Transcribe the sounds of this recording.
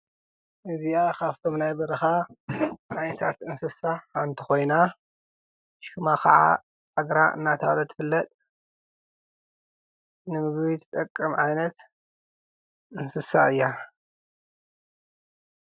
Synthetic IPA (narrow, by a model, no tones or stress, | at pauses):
ʔɨziakaft̪ʰo̞mnajbɐɾɨxa | ʕajnɐt̪ʰat̪ɨnsɨsaant̪ʰɨ̥xo̞jna | ʃumakʰɐʕa̰ | ʔaɡɾaʔɨ̰nːat̪ʰalɐt̪ʰɨ̥fɨlːɐt̪ʼ | nɨmɨɡbit̪ʰɨ̥t̪ʼɐkʼːɨmʕajnɐt̪ | ʔɨnsɨsaɨjːa